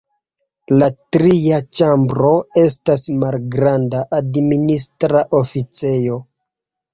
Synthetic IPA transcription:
latɾiat͡ʃambɾo̞e̞stasmalɡɾandaʔadministɾaʔo̞fit͡se̞jo̞

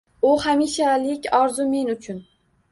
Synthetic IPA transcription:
ʊhamiʃalɪkʲɒɾzʊme̞nʊt͡ʃʰʊn

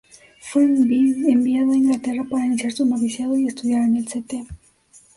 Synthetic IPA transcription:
funbiembiaðoeŋɡat̪erapaɾanisaɾt͡s̪umaβisjaðojest̪uðjaɾenelt͡set̪e

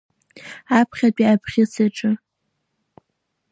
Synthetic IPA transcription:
apʰχʲat͡pʼiapʰχʲɪsʰeʈ͡ʂʼɨ

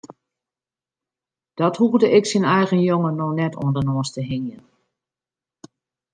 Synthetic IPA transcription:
d̥ɔthuvdəʔɪksinɛjɣənjoŋənɔnɛtʰo̰əndənɔəstəɦiŋjən

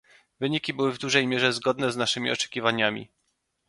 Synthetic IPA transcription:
vɘɲikʲibɘwɘvd̪uʐɛjmʲjɛʐɛzɡɔd̪nɛznaʂɘmʲḭɔt͡ʂɛ̥kʲivaɲamʲḭ

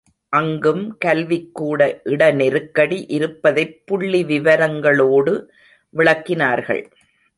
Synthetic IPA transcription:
ʔɐŋɡɯmkɐlʋɪkːuːɽɐʔɪɽɐnɛɾɯkːɐɽiʔɪɾɯpːɐðɐɪpːʊɭːiʋɪʋɐɾɐŋɡɐɭoːɽɯ | ʋɪɭɐkːɪnaːɾɣɐ̰ɭ

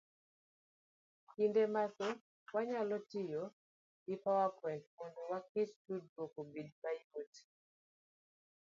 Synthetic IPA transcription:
kindɛmasɛ | waɲalɔtijɔ | ipawapwɛntmɔnuwakestud̚bokobid̚paioti̥

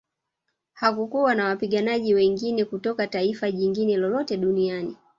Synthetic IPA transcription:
hakukuwanawapiɠanaʄiwɛŋɡinɛkutɔkataifaʄiŋɡinɛlɔlɔtɛɗuniani

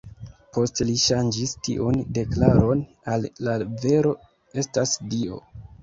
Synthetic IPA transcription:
po̞steliʃand͡ʒistḭʔunde̞klaɾo̞n | alːave̞ɾo̞ | e̞stasdio̞̰

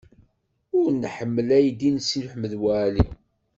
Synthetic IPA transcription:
ʊɾnħəmːəlæjd̪insilʊħməðwæʕli

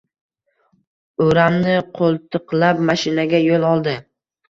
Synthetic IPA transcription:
ɵɾamnɪqʰolˠt̪ʰɨqlapmaʃɪnaɡʲajolˠɒlˠd̪ɪ

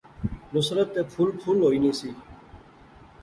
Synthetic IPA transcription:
nʊsɾət̪ːeːpʰuːlpʰuːlɦoːiːniːsiː

